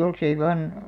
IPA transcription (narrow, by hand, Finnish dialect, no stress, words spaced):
jolsei ʋɑn